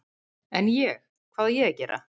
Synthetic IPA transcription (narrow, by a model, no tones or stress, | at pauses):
ɛnjɛx | kʰvaːðajɛacɛːɾʔa̰